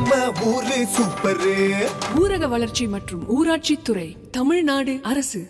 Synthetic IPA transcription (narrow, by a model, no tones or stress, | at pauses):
mɐuːɾɯsʊpːɐɾeɡuːɾɐɣɐʋɐɭɐɾt͡ʃimɐʈrɯmʔuːɾaːʈ̚t͡ʃit̪ːʊrɐɪ | t̪ɐmɪɻnaːɽɯʔɐɾɐsɯ